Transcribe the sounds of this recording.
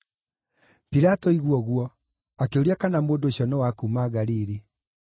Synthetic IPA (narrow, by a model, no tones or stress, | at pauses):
piɾatɔiɣwɔɣwɔ | akeoɾiakanamondoɕɔnɔwakumaɣaɾiːɾi